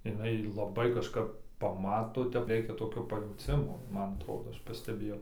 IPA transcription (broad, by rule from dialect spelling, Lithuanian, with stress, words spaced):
ɪˈnɐɪ lˠɐˈbɐɪ kɐʃˈkɐp pɐˈmɑːtoː ˈtʲɛp ˈrʲɛɪkʲɛ toːˈkʲoː pɐjɛʊˈt͡sʲɪmoː ˈmɐn ɐtˈroːdoː ˈɐʃ pɐsʲtʲɛˈbʲeːjɛʊ